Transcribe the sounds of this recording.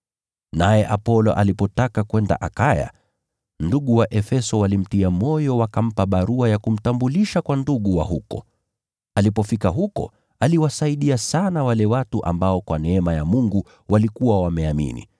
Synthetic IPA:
najɛʔapɔlɔ̰ʔalipɔtakakwɛnda̰ʔakaja̰ | nduɠuwaʔɛfɛsɔwalim̩tiamɔjɔwakam̩paɓaɾuajakum̩tambuliʃakwanduɠuwa̰ɦukɔ̰ | alipɔfikaɦukɔ̰ | aliwasaiɗiasanawalɛwatuʔa̰mbaɔkwanɛɛmajamuŋɡu | walikuwawamɛamḭnḭ

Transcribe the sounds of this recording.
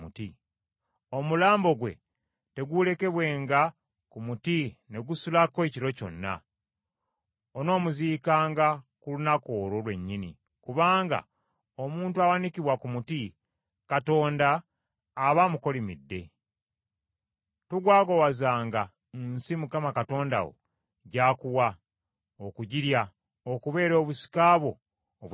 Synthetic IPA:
uti | o̞mulaːmbo̞ɡwe̞̰ | te̞ɡule̞ke̞βwe̞ːŋɡa | kumutine̞ɡusulakwe̞ːciɾo̞co̞̰nːa̰ | ono̞ːmuziːkaːŋɡakulunako̞ːɾolwe̞̰ɲːinḭ | kuβaːŋɡa̰ | omuːntuawanikiβwakumuti | kato̞ːndaː | βamuko̞limidːe̞̰ | tuɡwaːɡowazaːŋɡa | nsimukamakato̞ːnda̰wo̰ | ɟaːkuwa | okuɟiɾja | okuβe̞ːɾo̞ːβusi̥kaːβwo̞ː | β

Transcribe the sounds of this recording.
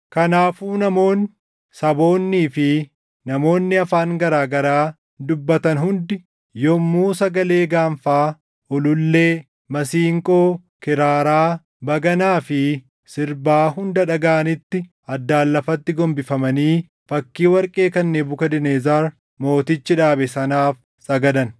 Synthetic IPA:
kɐnaːfuːnɐmo̞ːn | sɐbo̞ːnːiːfɪ | nɐmo̞ːnːɪɐfaːŋɡɐɾaːɡɐɾaː | d̪ʊbːɐt̪ɐnɦʊnd̪ɪ | jɔmːuːsɐɡɐle̞ːɡaːmfaː | ɔlʊlːe̞ː | mɐsiːŋkʼo̞ː | kɪɾaːɾaː | bɐɡɐnaːfɪ | sɪɾbaːɦʊnd̪ɐᶑɐɡaːʔɐnɪt̪ːɪ | ɐd̪ːaːlːɐfɐt̪ːɪɡɔmbɪfɐmɐniː | fɐkːiːwɐɾkʼe̞ːkɐnːeːbʊkɐd̪ɪneːzaːɾ | mo̞ːt̪ɪt͡ʃːɪᶑaːbɛsɐnaːf | sʼɐɡɐd̪ɐn

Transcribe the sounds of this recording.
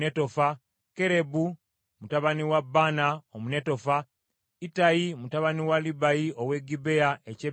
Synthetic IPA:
eto̞fa | ke̞ɾe̞bu | mutaβaniwabːaːnaomune̞to̞fa | itajimutaβaniwalibajiowe̞ɡibe̞aʔece

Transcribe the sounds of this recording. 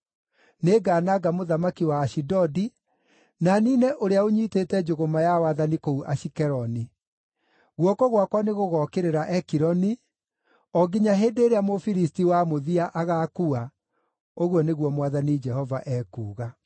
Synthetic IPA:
neːɡaːnaɡamoðamakiwaːʃidɔdi | naniːnɛʔoɾeaoɲiteːtɛd͡ʒoɣomajawaðanikouʔaʃikɛɾɔni | ɣwɔkɔɣwakwaneɣoɣɔkeɾeɾaʔɛkiɾɔni | ɔɡiɲaɦeːdeːɾeamofiɾis̬tiwamoðiaʔaɣaːkua | oɣwɔneɣwɔmwaðanid͡ʒɛhɔvaʔɛːkuːɣa

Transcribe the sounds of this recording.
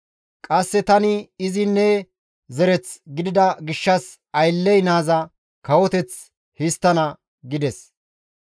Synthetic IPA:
kʼɐsːɛt̪ɐnɪɪzɪnːɛ | zɛɾɛt͡sɡɪd̪ɪd̪ɐɡɪʃːɐs | ɐjlːɛjnaːzɐ | kɐwɔt̪ɛt͡s | hɪst̪ːɐnɐ | ɡɪd̪ɛs

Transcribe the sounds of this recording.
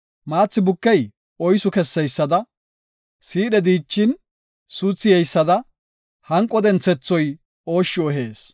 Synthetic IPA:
maːt͡sːɪbʊkːɛj | ɔjsʊkɛsːɛjsːɐd̪ɐ | siːɗɛd̪iːt͡ʃːɪn | suːt͡sːɪjɛjsːɐd̪ɐ | hɐŋkʼːɔd̪ɛnt͡sːɛt͡sːɔj | o̞ːʃːɪɔɦeːs

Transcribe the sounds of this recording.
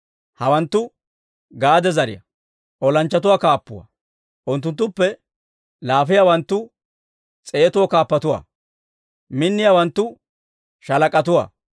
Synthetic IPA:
hɐwɐnt̪ːʊ | ɡaːd̪ɛzɐɾɪ̰jɐ̰ | ʔɔlɐnt͡ʃːɐt̪ʊwakaːpːʊ̰wɐ̰ | ʔʊnt̪̬ːʊnt̪ːʊpːɛ | laːfɪjaːwɐnt̪ːʊ | t͡sʼeːt̪ʊwɔkaːpːɐt̪ʊwa̰ː | mɪnːɪjawɐnt̪ːʊ | ʃɐlɐkʼɐt̪ʊwa̰ː

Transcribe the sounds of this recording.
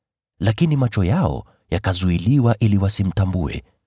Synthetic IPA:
lakinimat͡ʃɔjaɔ̰ | jakazuiliwaʔiliwasim̩tambuɛ̰

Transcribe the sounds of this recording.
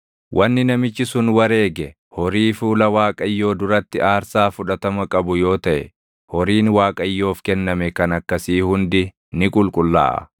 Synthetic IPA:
wʔɐnːɪnɐmɪt͡ʃːɪsʊnwɐɾe̞ːɡɛ | hɔɾiːfuːlɐwaːkʼɐjːo̞ːd̪ʊɾɐt̪ːɪʔaːɾsaːfʊᶑɐt̪ɐmɐkʼɐbʊjo̞ːt̪ɐʔɛ | hɔɾiːnwaːkʼɐjːo̞ːfkɛnːɐmɛkɐnɐkːɐsiːhʊnd̪ɪ | nɪkʼʊlkʼʊlːa̰ːʔɐ̰

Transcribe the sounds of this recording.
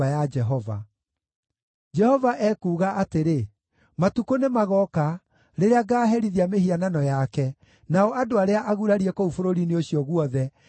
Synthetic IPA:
ajad͡ʒɛɦɔva̰ | d͡ʒɛhɔvaʔɛkuːɣaʔateɾe | matukonemaɣɔka | ɾeɾeaɡaːɦɛɾiðiamehiananɔjakɛ | naɔadoaɾeaʔaɣuɾaɾiɛkoufoɾoɾineoɕiɔɣwɔðɛ

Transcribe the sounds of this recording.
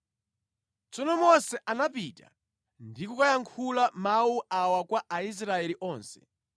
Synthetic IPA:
t͡sɔnɔmɔsɛʔanapita̰ | ndikukajaŋkʰulamauawakwaʔais̬ɾaɛliʔɔːnsɛ̥̰

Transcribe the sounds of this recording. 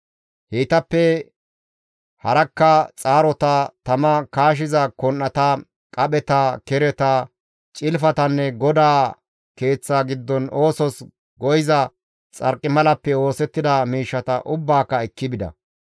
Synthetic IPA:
heːt̪ɐpːɛ | hɐɾɐkːɐt͡sʼaːɾɔt̪ɐt̪ɐmɐkaːʃ̬ɪzɐkɔnːɐt̪ɐ | kʼɐɓɛt̪ɐkɛɾɛt̪ɐ | t͡ʃʼɪlfɐt̪ɐnːɛɡɔd̪aː | ke̞ːt͡sːaːɡɪd̪ːɔno̞ːsɔs | ɡɔjɪzɐ | t͡sʼɐ̰ɾkʼːɪmɐlɐpːɛo̞ːsɛt̪ːɪd̪ɐmiːʃːɐt̪ɐ̰ʔʊbːaːkːɐɛkːɪbɪd̪ɐ̰

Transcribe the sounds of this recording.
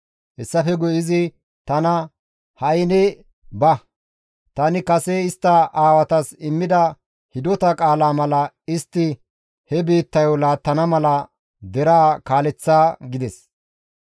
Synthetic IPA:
hɛsːɐfɛɡʊjɪzɪ | t̪ɐnɐ | hɐjnɛ | bɐ | t̪ɐnɪkɐseɪst̪ːɐaːwɐt̪ɐsɪmːɪd̪ɐ | hɪd̪ɔt̪ɐkʼaːlaːmɐlɐ | ɪst̪ːɪ | hɛbiːt̪ːɐjɔlaːt̪ːɐnɐmɐlɐ | d̪ɛɾaːkaːlɛt͡sːaːɡɪd̪ɛs

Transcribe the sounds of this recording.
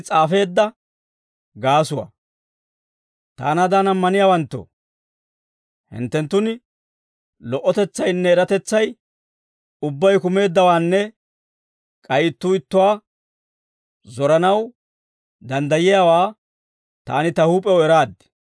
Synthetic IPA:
t͡sʼaːfe̞ːd̪ːɐ | ɡaːsʊwa̰ | t̪a̰ːnad̪anɐmːɐnɪjaːwɐnt̪ːo̰ | hɪ̰nt̪ːɛnt̪ːʊnɪ | lɔʔːɔt̪ɛt͡sːɐjnːɛːɾɐt̪ɛt͡sːɐj | ʊbːɐjkʊme̞ːd̪ːɐwaːnːɛ | kʼɐjɪt̪ːuːɪt̪ːʊwaː | zɔɾɐnɐw | d̪ɐnd̪ɐjɪjaːwaː | t̪a̰ːnɪt̪ɐhuːpʼɛwɛɾaːd̪ːɪ̥

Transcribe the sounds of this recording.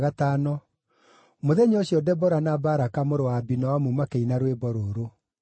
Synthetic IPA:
ɣataːnɔ | moðɛɲɔɕjɔdɛbɔɾanabaɾakamoɾowabinɔwamumakeinaɾwebɔɾoːɾo

